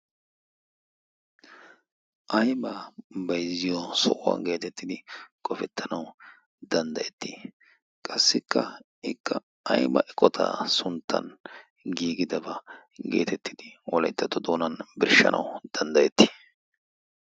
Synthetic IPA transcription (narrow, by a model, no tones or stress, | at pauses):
ʔɐjbɐbɐjzɪjɔsɔʔwa̰ɡe̞ːt̪ɛt̪ːɪd̪ɪkʼɔfɛt̪ʰːɐnɐw | d̪ɐnd̪ɐjɛt̪ːi | kʼɐsːɪkːɐ | ɪkːɐ | ɐjbɐ̰ʔɛkʼːɔt̪ʰɐ̰sʊnt̪ʰːɐ̰n | ɡiːɡɪd̪ɐbɐ | ɡe̞̰ːt̪ʰɛt̪ːɪd̪̥ɪwɔlɐjt̪ːɐt̪ːɔd̪oːnɐnbɪɾʃːɐ̰nʔɐ̰wd̪̥ɐnd̪ɐjɛt̪ːi̥ː